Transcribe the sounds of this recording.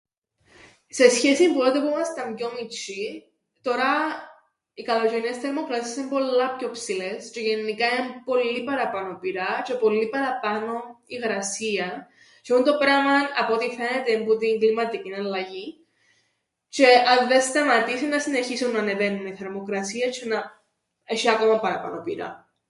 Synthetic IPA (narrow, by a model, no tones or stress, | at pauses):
se̞sçesimpuot̪epumɐst̪ɐmjo̞mit͡ʃi | t̪o̞ɾɐ | ikɐloʝeniesθe̞ɾmokɾɐsisesimbo̞lːɐpço̞psile̞st͡ʃe̞ʝenːikɐinɐmpo̞lːipɐɾɐpɐno̞piɾɐt͡ʃe̞po̞lːipɐɾɐpɐno̞iɣɾɐsiɐ | t͡ʃeunt̪o̞pɾɐmɐnɐpot̪ife̞ne̞t̪embut̪iŋɡlimɐt̪icinɐlːɐʝi | t͡ʃe̞ɐnðest̪ɐmɐt̪isinːɐsine̞çisunːɐːne̞ve̞nːuniθe̞ɾmo̞kɾɐsiɐt͡ʃenɐ | e̞ʃiɐko̞mɐpɐɾɐpɐ̰nopiɾɐ̰